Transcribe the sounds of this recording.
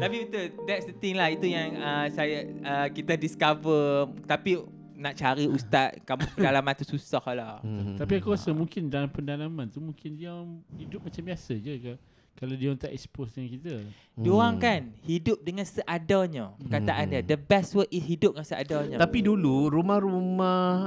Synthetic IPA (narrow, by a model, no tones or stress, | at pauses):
t̪apiut̪udɛtsdət̪ɪŋlahit̪ujaŋəsajaəkit̪adiskavət̪api | naʔt͡ʃaɾiust̪at̪̚kampədalamãnt̪ususɔhlɔt̪apiakuasəmũŋkɪndalampəndalamãnt̪umuŋkɪndiamhidʊp̚mat͡ʃambiasəd͡ʒəka | kaladiaŋt̪aʔɛksposdaŋkit̪ə | doaŋkanhidʊp̚dəŋãnsəʔadaɲapəkat̪aʔandiadəbɛstwət̪̚ishidʊp̚kansəʔa̰daɲat̪apiduluɾumahɾuma